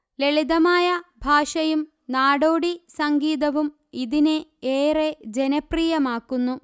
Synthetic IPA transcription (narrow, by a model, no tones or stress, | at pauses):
le̞ɭiðɐmaːjɐbʱaːʂɐjum | naːɽoːɽisɐŋɡiːðɐʋum | iðineeːred͡ʑenɐpriːjɐmaːkːunːu